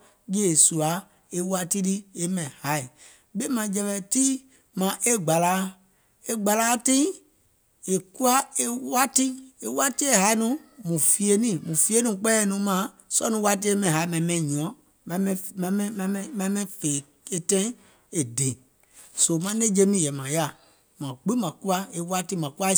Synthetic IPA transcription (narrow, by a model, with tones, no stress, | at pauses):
d͡ʒe˦˨su˨a˨˦ | e˦wa˦ti˦ɾi˦e˦mɛ̃˨ha˨˦i˨ | be˦mã˨d͡ʒɛ˨mɛ̃˨ti˦ | mã˨ʔe˦ɡ͡ba˨la˨˦ | e˦ɡ͡ba˨la˦tĩ˦ | e˨ku˦a˦e˦wa˦ti˦e˨wa˦ti˦e˦˨ɦa˨˦i˦nũ˦mũ˨fi˧e˨nĩ˦˨mũ˨fi˦e˦nũ˨k͡pɛ˦˨nũ˨˦mã˨˦ | sɔ˦nũ˦wa˦t̬i˦e˦mɛ̃˨ɦa˨˦mɛ̃˨mɛ̃˨ɲũ˨ɔ̃˨˦ | mã˨mɛ̃˦m̃˨˦mɛ̃˦m̃˨˦ɛ̃˦mɛ̃˨˦mɛ̃˦fe˨ | e˨tɛ̃˦ | e˨de˨ | so˨mã˨˦nẽ˦d͡ʒe˦nĩ˦jɛ˨mã˨ja˦˨ | mã˨ɡ͡bi˦mã˨ku˦a˦e˨wa˦ti˦mã˨ku˦a˦